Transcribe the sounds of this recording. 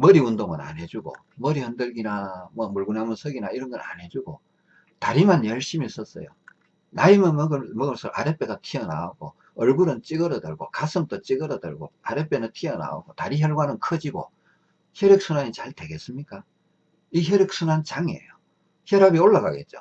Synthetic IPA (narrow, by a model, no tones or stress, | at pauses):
mʌɾiundoŋɯna̰nɦe̞d͡ʑuɡo̰ | mʌɾihʌndɯɭɡinamwʌmuɭɡunamɯnsʰʌɡinaiɾʌnɡʌɾa̰nɦe̞d͡ʑuɡo | taɾimanjʌɭɕ͈imis͈ʌs͈ʌ̰jo̰ | naimɯnɡɯmʌɡɯɭs͈ʰʌɾʔa̰ɾep͈e̞ɡatʰiʌna̰oɡo | ʌɭɡuɾɯnt͡ɕ͈iɡʌɾʌdɯ̰ɭɡo̰kasʰɯmt͈ot͡ɕ͈iɡʌɾʌdɯ̰ɭɡoaɾep͈ːenɯntʰiʌna̰o̰ɡotaɾiçjʌɭɡwanɯnkʰʌd͡ʑiɡo̰ | çjʌɾjʌk̚s͈ʰunaɲit͡ɕaɭte̞ɡe̞s͈ɯmɲik͈a | içjʌɾjʌk̚s͈ʰunant͡ɕaŋe̞̰jo | çjʌɾabioɭːaɡaɡe̞̰t̚t͡ɕ͈o̰